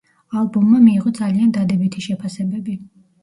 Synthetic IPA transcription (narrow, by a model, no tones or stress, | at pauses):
alˠbumːamiːʁɔd̪zaliand̪ad̪ɛbit̪ʰiʃɛpʰasɛbɛbi